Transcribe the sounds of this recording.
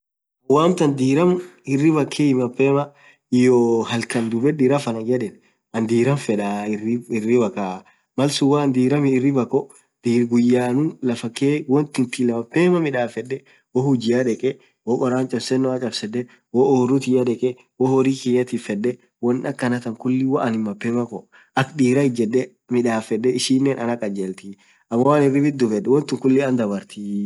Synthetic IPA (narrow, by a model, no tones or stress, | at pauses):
waːmt̪ɐnd̪iːɾɐmɪrːɪbɐkʰːeːɪmɐpːeːmɐ | ɪjɔːhɐlkɐnd̪ʊbɛdiːɾɐfɐnɐɡɛdɛn | ɐnd̪iːɾɐmfɛᶑɐɪɪɪrːɪbɐkːaː | mɐlsʊwaːnd̪iːɾɐmɪɪrːɪbɐkːɔ | d̪̥iːɾɡʊjːaːnʊnlɐfɐkːeːwɔnt̪ɪnt̪ɪlɐmɐpːeːmɐmɪᶑaːfɛᶑːɛ | wɔhʊd͡ʒɪjaᶑɛkʼɛ | wɔkʼɔɾaːnt͡ʃʼɐbsɛnːɔɐt͡ʃʼɐbsɛdːɛ | wɔoːrːʊt̪ɪjɐᶑɛkʼɛ | wɔhɔɾiːkɪjɐt̪iːfɛdːɛ | wɔnːɐkːɐnɐt̪ɐŋkʊlːɪwɐʔɐnɪmmɐpːeːmɐkɔ | ɐkd̪iːɾɐɪd͡ʒɛdːɛ | mɪᶑaːfɛdːɛɪʃiːnːeːnʔɐnɐkʼɐd͡ʒeːlt̪ɪ | ɐmːɐwaːnɪrːɪbɪd̪ːʊfɛdːɛwɔnt̪ɪŋkʊlːɪɐnd̪ɐbɐɾt̪i